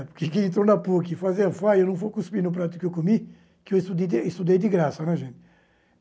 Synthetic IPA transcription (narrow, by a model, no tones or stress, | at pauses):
pʊkekeẽnt̪ɾonɐpuɐkifazeɐfaewnɐ̃w̃fojkuspinʊp̬ɾat̪ʊ̥kɪewkomi | kɪewɪst̪ud̪ed̪eɪst̪ud̪ejd̪ɪɡɾasɐnɛʒẽnt̪ɪ̥